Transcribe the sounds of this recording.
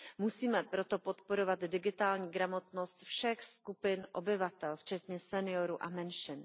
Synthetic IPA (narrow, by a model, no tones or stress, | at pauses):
musiːmɛpɾo̞t̪o̞pot̪poɾovad̪dɪɡɪt̪aːlɲiːɡɾamo̞t̪nost̪fʃɛxskupɪnʔobɪvat̪ɛlft͡ʃɛt̪ɲɛsɛnɪjoɾuʔamɛnʃɪn